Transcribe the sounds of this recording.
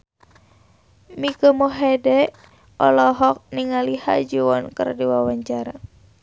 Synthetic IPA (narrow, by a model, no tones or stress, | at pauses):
mikəmoɦɛdɛ | ɔ̰lɔɦɔk̚niŋaliha̰d͡ʒuɔnkɨ̰rdiwawaɲt͡ʃaɾa